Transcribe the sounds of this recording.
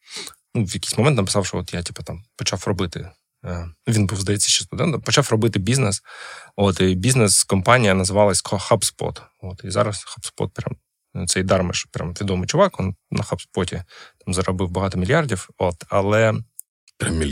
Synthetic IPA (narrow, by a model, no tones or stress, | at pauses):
nuʋjɐkʲi̥jsʲmɔmɛnt̪nɐpɨ̥sɑwʃɔot̪jatʲipɐt̪ɑmpɔt͡ʃafrɔbɪt̪ɪ | ʋʲinbuwzd̪ɐjɛt͡sʲːɐʃʲt͡ʃːɛst̪ʊd̪ɛnt̪ɐmpɔt͡ʃafrɔbɪt̪ɪbʲiznɛsot̪ɪbʲiznɛskɔmpɑnʲijɐnɐzɨʋɑlˠɐsʲkɔxapspɔ̰t̪ | ot̪izɑ̰ɾɐsxapspɔ̰t̪̚pɾʲa̰m | t̪sɛjd̪ɑrmɪ̰ʃpɾʲa̰mt̪ʋʲid̪ɔmɪjt͡ʃʊʋɑkɔnnɐxapspɔtʲḭt̪ɑmzɐɾɔbɪwbɐɦɑt̪ɔmʲɪlʲjardʲiwot̪ɐlˠɛ | pɾʲamʲ